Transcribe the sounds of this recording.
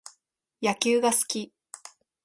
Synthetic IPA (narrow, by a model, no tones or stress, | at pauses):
jakʲɨːɡasɨ̥kʲi